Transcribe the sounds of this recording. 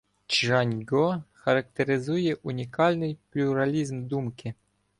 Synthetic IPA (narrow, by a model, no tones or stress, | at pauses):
t͡ʃʐanʲɡɔxɐɾɐkt̪ʲeɾʲɪzujɛʔunʲikalʲnɨjplʲuɾalʲizmd̪umkʲɪ